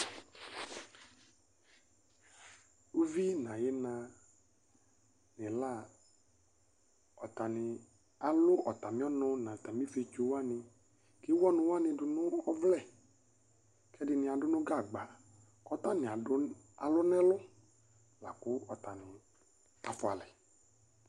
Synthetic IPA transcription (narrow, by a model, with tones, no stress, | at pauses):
u˦vi˦nã˨je˦nã˧ | nɪ̃˨la˦˨ | ɔ˨t̪a˨nɪ̃˨ | a˨lʊ˦ʔɔ˨t̪a˨mĩ˦ɔ˦nɔ̃˧nã˨t̪a˨mĩ˦fe˦t͡ʃu˨˦wa˦nɪ̃˧ | ki˦wɔ˦nʊ̃˦wa˦nɪ̃˧dʊ˨nʊ̃˦ɔ˦vlɛ˦˨ | kɛ˦dɪ˦nɪ̃˧a˨dʊ˦nʊ̃˦ɡa˦˨ɡ͡ba˨ | kɔ˦t̪a˦nɪ̃˨a˨˦ | a˨lʊ˦nɛ̃˦lʊ˦ | la˨kʊ˦ɔ˨t̪a˨nɪ̃˨ | a˨fʊ˨a˨lɛ˨